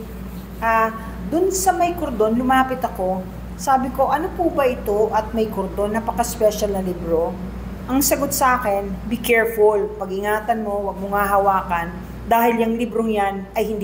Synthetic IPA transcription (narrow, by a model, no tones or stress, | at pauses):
ʔa | d̪ʊnsɐmɐjkoɾd̪o̞nlʊmaːpɪt̪ɐko̞ | saːbɪko̞ʔɐnopubɐʔɪt̪o̞ʔɐt̪̚mɐjkoɾd̪o̞nːɐpɐkɐspɛʃɐlnɐlɪbɾo̞ | ʔɐŋsɐɡot̪̚sɐʔaːkɛnbɪkɛɹfʊlpɐɡʔɪŋaːt̪ɐnmo̞wɐɡ̚moŋaɦɐwaːkɐn | d̪aːhɪljɐŋlɪbɾoŋjanɐjhɪnd̪